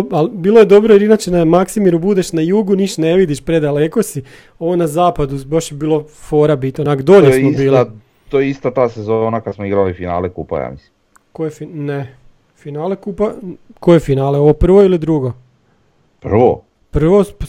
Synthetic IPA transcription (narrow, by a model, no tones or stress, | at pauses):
albiːlˠo̞jed̪o̞bɾoiɾinat͡ʃenamaksimiɾubud̪eʃnajuːɡuniʃne̞ʋid̪iʃpɾed̪aleko̞si | o̞ʋonazaːpad̪ubaʃjebiːlˠo̞foːɾabit̪onakd̪o̞ʎesmobiːlˠi | t̪ojeist̪at̪aːsezoːnakad̪smoiɡɾalifina̰ːlekṵːpa̰ja̰ːmḭslim | kojefine | finaːlekuːpako̞jefinaːleo̞ʋopr̩ʋo̞ilid̪ɾuɡo̞ | pr̩ʋo̰ | pr̩ʋo̞p